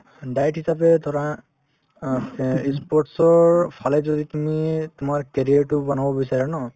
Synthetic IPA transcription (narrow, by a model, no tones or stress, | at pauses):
dajtɦisapɛt̪ɔɹa | ispɔɹʈsɔɹpʰalɛzɔd̪it̪umit̪ʊmaɹkeɹijaɹʈʊbanabɔbisaɹɛnɔ